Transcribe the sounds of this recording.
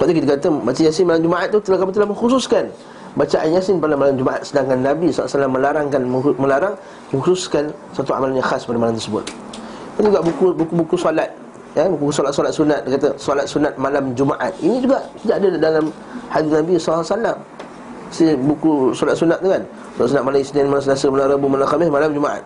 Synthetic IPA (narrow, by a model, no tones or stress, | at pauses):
t̪at̪ikit̪̬akat̪abat͡ʃajasɪnmalamd͡ʒumaʔat̪̚ːut̪əlahkamut̪əlahmə̃ŋxususkan | bat͡ʃaʔanjasɪnpalamːalamd͡ʒumaʔa̰t̪̚sədaŋkanːabisɔlsalamːəlaɾaŋkanməmə̃laɾaŋ | mə̃ŋhususkan | sat̪ua̰malanɲãxaspadamalamt̪əɾsəbʊ̰t̪̚ | d̪and͡ʒuɡaʔbukubukubukusɔlat̪̚ | abukukusɔlat̪̚sɔlat̪̚sunat̪̚dkat̪asɔlat̪̚sunat̪̚malamd͡ʒumaʔa̰t̪̚inĩd͡ʒuɡaʔsədaʔadadalam | hadinabisɔlːsalam | sinbukusɔlat̪̚sunat̪̚nikan | ut̪aʔsunat̪̚malaisədaanmalamsasəməlaɾabumalaxamɪsmalamd͡ʒumaʔa̰t̪̚